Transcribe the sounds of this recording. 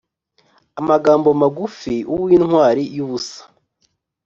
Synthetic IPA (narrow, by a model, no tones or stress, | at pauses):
amaɡaːmbo̞maɡufiʔuwwiːnhwaːɾijuβusḁ